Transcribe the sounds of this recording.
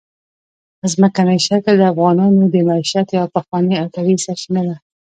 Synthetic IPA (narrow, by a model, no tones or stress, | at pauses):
əzməkanajʃakəld̪əafɣɑnɑnod̪əmaiʃat̪jɑpaxwɑniat̪aɾisaʃmeɾa